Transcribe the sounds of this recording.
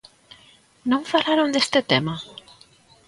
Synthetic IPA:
nõɱfalaɾond̪est̪et̪ema

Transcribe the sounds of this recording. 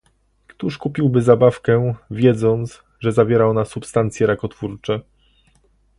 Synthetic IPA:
kt̪uʂkupʲiwbɘzabafkɛvʲjɛd̪zɔnt̪s | ʐɛzavʲjɛɾaɔnasupst̪ant̪sʲjɛɾakɔt̪fuɾt͡ʂɛ

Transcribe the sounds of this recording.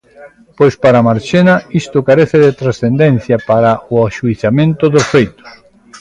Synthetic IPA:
pojspaɾamaɾt͡ʃenaist̪ʊkaɾeθeðet̪ɾasθend̪ɛnθjapaɾaʔoaʃuiθamẽnt̪ʊðosfejt̪ʊ̥s

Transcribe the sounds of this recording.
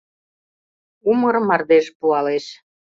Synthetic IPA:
umərmɑrd̪eʃpuɑleʃ

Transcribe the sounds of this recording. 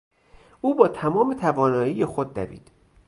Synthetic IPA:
ʔuːbɒːt̪ʰæmɒːmet̪ʰævɒːnɒːjijexod̪̚ːæ̰vḭːd̪̥

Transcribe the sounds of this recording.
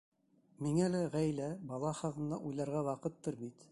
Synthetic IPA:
miŋælæʁæjlæbɑlˠɑχɑðɤ̆nd̪ɑʔujlˠɑɾʁɑwɑqɤt̪ːɤɾbit̪

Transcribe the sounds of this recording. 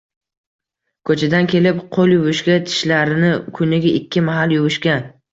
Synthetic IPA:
kʰɵt͡ʃʰad̪ankʲʰe̞lɪpqʰolˠjʊvʊʃkʲat̪ʰɪ̥ʃlaɾɪnɪkʲʰʊnɪɡʲaʔɪkʲʰːɪmaɦaljʊvʊʃkʲa

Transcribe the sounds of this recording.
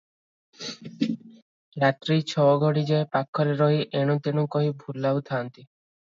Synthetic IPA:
ɾat̪ɾit͡ɕʰɔɡoɽid͡ʑaepakʰːɔɾeɾɔɦiʔeɽ̃ut̪enukɔɦibʱulːawt̪ʰaːnt̪i

